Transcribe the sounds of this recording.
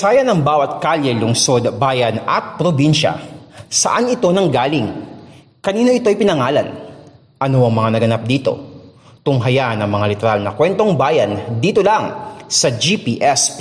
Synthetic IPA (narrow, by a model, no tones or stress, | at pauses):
saːjɐnɐŋbaːwɐt̪̚kaljɛlʊŋso̞d̪baːjɐnɐ̰t̪̚pɾobinʃɐ̰sɐ̰ʔanɪt̪o̞nɐŋɡaːlɪŋ | kɐniːnoʔɪt̪o̞jpɪnɐŋaːlɐn | ʔɐnoɐŋmɐŋanɐɡɐnap̚d̪iːt̪o̞̰t̪ʊŋɦɐjanɐŋmɐŋalɪt̪ɛɾalnɐkwɛnt̪o̞ŋbaːjɐnd̪iːt̪o̞laŋsɐd͡ʒipiːʔɛs